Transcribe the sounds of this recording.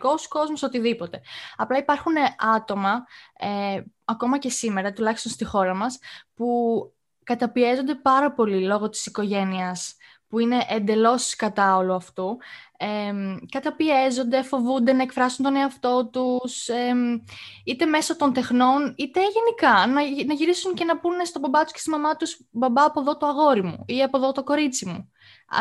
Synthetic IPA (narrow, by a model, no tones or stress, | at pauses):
ko̞sko̞zmosot̪iðipo̞t̪e̞ɐplɐipɐɾxune̞ʔɐt̪o̞mɐeɐko̞mɐce̞sime̞ɾɐt̪ulɐçi̥st̪o̞nst̪ixo̞ɾɐmɐspu | kɐt̪ɐpie̞zo̞nd̪e̞pɐɾɐpo̞lilo̞ɣo̞t̪i̥siko̞ʝe̞niɐs | puine̞ʔend̪e̞lo̞sskɐt̪ɐo̞luɐft̪uemkɐt̪ɐpie̞zo̞nd̪efo̞vund̪e̞nɐe̞kfɾɐsunt̪o̞neɐft̪o̞t̪use | it̪e̞me̞sot̪o̞nt̪e̞xno̞nit̪e̞ʝe̞nikɐnɐnɐʝiɾisunce̞nɐpunst̪obɐbɐt̪u̥sce̥st̪imɐmɐt̪usbɐbɐːpo̞ðo̞t̪oɐɣo̞ɾimṵiɐpo̞ðot̪o̞ko̞ɾit͡simṵ